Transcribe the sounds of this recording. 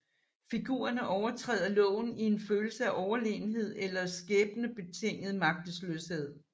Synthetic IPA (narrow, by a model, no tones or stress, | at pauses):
fiɡ̥ṵːɐnəʔɒʊɐt͡sʰʁɛ̰ːð̞̰ˠɐlɔ̰̽ːʊn̩ie̝nføːl̩səæʔɒʊɐle̝ːn̩ɦe̝ð̞̰ˠelɐsɡ̥eːb̥nəb̥e̝t͡sʰe̝ŋ̰ð̩ˠmɑ̈ɡ̥̚d̥əsløshe̝ð̰ˠ